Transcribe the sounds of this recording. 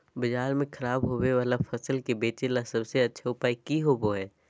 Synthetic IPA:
bɐd͡ʒaːɾmẽkʰɐɾaːbɦoːweʋaːlafɐsəlkebeːt͡ʃelasɐbseɐtːʃʰaʊpaːikiɦoboɦɛː

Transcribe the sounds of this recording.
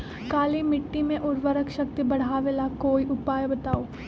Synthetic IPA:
kaːlimɪʈːimẽʔʊɾʋəɾəkʃɐk̚t̪ibɐɽ̤aːʋelakoːiʊpaːjbɐt̪aːoː

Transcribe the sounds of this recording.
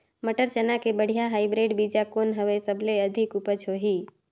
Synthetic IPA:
məʈəɾt͡ʃənakebəɽ̤ijaɦaːibɾeːɖbid͡ʒakonɦəʋesəbʱleəd̪ʱɪkʊpəd͡ʒɦoɦiː

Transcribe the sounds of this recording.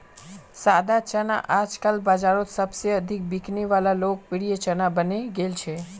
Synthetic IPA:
sad̪at͡ʃəna̰ʔad͡ʒkalbad͡ʒaɾot̪səbsjəːd̪ʱik̚bikniʋalalokpiɽijət͡ʃənabəneɡelt͡ʃʰe

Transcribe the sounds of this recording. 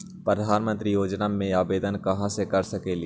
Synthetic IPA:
pɾəd̪ʱaːnmə̃nt̪ɾijoːd͡ʒnamẽaːbeːd̪ənkɐɦãsekɐɾsəkeli

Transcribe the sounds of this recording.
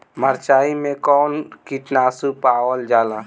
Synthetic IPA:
məɾt͡ʃaːimẽkɔːnkiʈnaːsupaːwəld͡ʒaːlaː

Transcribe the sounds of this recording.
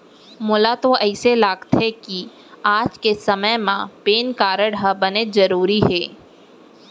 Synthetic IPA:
mʊlat̪oɛːselaːɡt̪ɦɛki | aːd͡ʒkesɐməjmãpeːnkaːɾəɽɦəbɐnezɐɾuːɾiɦɛː

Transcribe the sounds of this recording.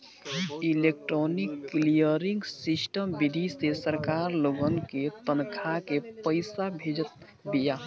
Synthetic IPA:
ilek̚ʈɾonikːlijəɾiŋɡsisʈəmbid̪ʱisesəɾkaɾloɡənket̪ənkʰakepəɪsabʱed͡ʒət̪̚ | bija

